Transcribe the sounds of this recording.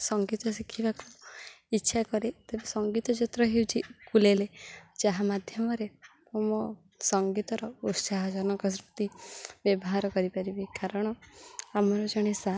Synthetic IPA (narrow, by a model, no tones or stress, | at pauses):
sɔŋɡit̪ɔsikʰibaku | itːʃʰakɔɾet̪ebesɔŋɡit̪ɔt͡ʃit̪ɾɔɦewt͡ʃʰikuleled͡ʒaɦamad̪ʱjɔmɔɾe | omɔ | sɔŋɡit̪ɔɾɔusaɦɔd͡ʒɔnɔkɔs̬ɾut̪ibjɔbɔɦaɾɔkɔɾipaɾibikaɾɔɽ̃ɔamɔɾɔd͡ʒɔɽ̃esa